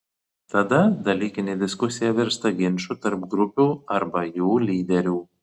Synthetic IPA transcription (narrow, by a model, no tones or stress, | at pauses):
t̪ɐd̪ɐd̪ɐlʲiːkʲɪnʲed̪ʲɪskʊsʲɪjɛʋʲɛɾst̪ɐɡʲɪnʲʃut̪ɐɾp̚ɡɾʊpʲuːɐɾbɐjuːlʲiːd̪ʲɛɾʲuː